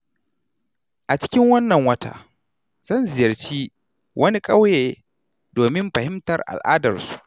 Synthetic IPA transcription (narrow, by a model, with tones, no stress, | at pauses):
ʔa˨t͡ʃɪ̥˦kʲɪ˦ŋwɐ˦nːɐ˨ŋwɐ˦ta̰ː˦˨ | z̥ɐ˦nzɪ˨jɐ˨rt͡ʃiː˦ | wʔɐ˦ni˦kʼɐ˦wjeː˨ | doː˨mɪ˦mɸɐ˨hɪ˦mtɐ˨rʔa̰˨lʔa̰ː˦dɐ˨rsu̥˦˨ʔ